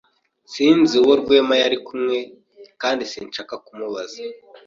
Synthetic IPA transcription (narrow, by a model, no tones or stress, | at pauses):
siːnziwoɾɡwe̞ːmajaɾikumŋe̞ | kaːndisiːnt͡ʃakakumuβaza